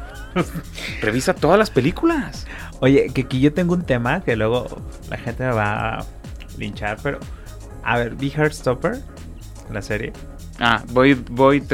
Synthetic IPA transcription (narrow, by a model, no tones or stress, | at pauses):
re̞βisat̪o̞ðazlaspelikulas | o̞ʝe̞keakiʝo̞t̪e̞ŋɡount̪e̞make̞lwe̞ɣ̞o̞̰ | la̰xe̞nt̪emeβa̰ | lint͡ʃaɾpe̞ɾo̞̰ | a̰βe̞ɾbixaɾd̪st̪opeɾ | laseɾjḛ | abojbojt̪